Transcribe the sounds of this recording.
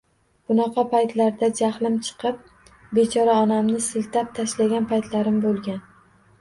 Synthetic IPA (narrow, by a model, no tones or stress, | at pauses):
b̥ʊnɑqʰɑpʰajt̪laɾd̪ad͡ʒaχlɪmt͡ʃʰɨ̥qʰɨp̚ | be̞t͡ʃʰɒɾaɒnamnɪsɪlt̪ʰap̚t̪ʰaʃlaɡʲanpʰajt̪ʰlaɾɪmbolˠɡʲan